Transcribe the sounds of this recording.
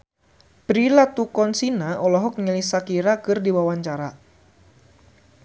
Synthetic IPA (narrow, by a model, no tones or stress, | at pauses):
pɾilat̪ukɔnsinaʔɔlɔɦɔk̚ɲəlisakiɾakɨrdiwawaɲt͡ʃaɾa